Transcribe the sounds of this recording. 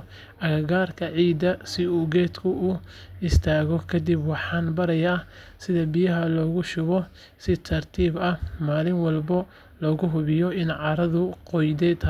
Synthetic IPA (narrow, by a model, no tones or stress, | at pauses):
ʔɐɣɐɣaːrkʰɐʕiːd̪ɐsɪuːɡɛːd̪kʰʊʔuɪst̪ʰaːɣɔkʰɐd̪ibwɑħɑːnbɐɾɐjaːsɪðɐbijɐɦɐlɔːɣʊʃʊβɔ | sɪt̪ʰɐrt̪ʰiːbɐmaːlɪnwɑlbɐ | lɔːɣʊɦʊβɪjɔɪnʕɑːɾɐðʊqɔjd̪ɛd̪ʰ